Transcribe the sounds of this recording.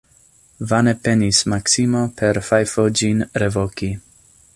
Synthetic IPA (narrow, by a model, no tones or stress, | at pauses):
vanepenismaksimopʰeɾfajfod͡ʒinɾevoki